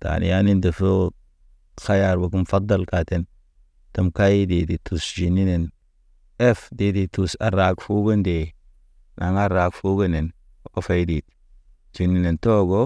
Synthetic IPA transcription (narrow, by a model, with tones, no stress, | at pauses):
ta̰˨nḭ˨ja˦ni˦nde˨fo˦ | xa˦ja˨ɾbo˨ku˦m˨fa˦d̪ːa˦˨lka˨te˦n | ta˨mka˦ji˦de˨di˨tʰu˨sd͡ʒi˨nːi˦ne˨n | e˦fde˦di˨tu˨sa̰˨ɾa˨kfu˦ɡo˦nde˨ | na˨ŋa˦ɾa˨kfu˦ɡo˦ne˨n˦ | o˦fa˦di˨t̚ | d͡ʒi˨nːi˦ne˨nto˦ɡo˦